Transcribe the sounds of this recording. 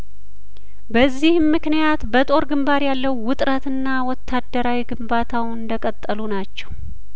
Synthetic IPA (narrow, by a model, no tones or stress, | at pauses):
bəzːihmːɨknijat̪bət̪ʼo̞ɾɡɨmbaɾjalːəwːʊt̪ʼɾət̪ɨnːawɔt̪ʰːad̪ːəɾawiɡɨmbat̪ʰawɨnd̪əkʼət̪ʼːəlunat͡ʃːɛw